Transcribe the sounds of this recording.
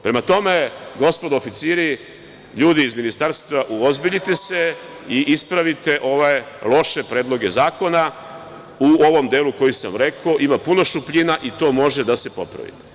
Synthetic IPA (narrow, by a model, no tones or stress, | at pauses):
pɾe̞mat̪o̞me̞ɡo̞spo̞d̪ofit̪siːɾi | ʎuːd̪iːzminist̪aɾst̪ʋaʔuozbiʎit̪e̞se̞ | iʔispɾaʋit̪e̞ʔo̞ʋelˠo̞ʃe̞pɾeːd̪lo̞ɡe̞zaːko̞na | uoʋo̞md̪eːluko̞jisa̰mɾe̞koʔimapuno̞ʃupʎinaʔit̪o̞ːmo̞ʒe̞d̪ase̞po̞̰pɾa̰ʋḭt̪e̥